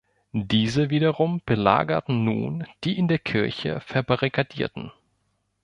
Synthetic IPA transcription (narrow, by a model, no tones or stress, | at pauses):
diːzəviːdɐʁʊmb̥əla̰ːɡɐtn̩nṵːnd̥iːʔɪndeːɐkʰɪɐçə̰fɛɐbaʁikʰadḭːɐtn̩